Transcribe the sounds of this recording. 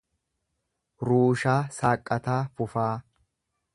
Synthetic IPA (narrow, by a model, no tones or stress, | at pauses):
ɾuːʃaːsaːkʼːɐt̪aːfʊfaː